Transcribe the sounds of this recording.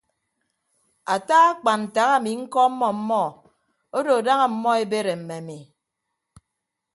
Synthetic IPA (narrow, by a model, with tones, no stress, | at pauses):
a˨ta˦ɣa˦k͡pa˨nn̩˨ta˨˦ɣa˦˨mi˨ŋ̩˦kɔ˦m̩˦mːɔ˦m̩˦mɔ˦ | o˦do˨da˦ŋa˨m̩˦mɔ˦e˦be˦ɾe˨m̩˨me˨a˨mi˨